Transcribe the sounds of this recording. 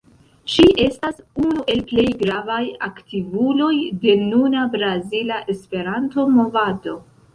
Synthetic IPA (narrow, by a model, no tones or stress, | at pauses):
ʃiʔe̞stasunuʔe̞lple̞jɡɾavajaktivulo̞jde̞nunabɾazilaʔe̞spe̞ɾanto̞mo̞vado̞